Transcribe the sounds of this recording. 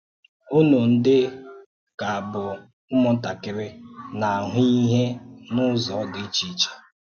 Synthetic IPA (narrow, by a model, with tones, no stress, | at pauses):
o˦no˨n̩˦dɪ˦ | ka˨a˨bʊ˨ | mʊ˦mɔ˦ta˨kɪ˨ɾɪ˦na˨a˨ɦʊ˦i˦ɦe˦nʊ˦zɔ˨˦dɪ˨˦i˦t͡ʃi˦t͡ʃḁ˨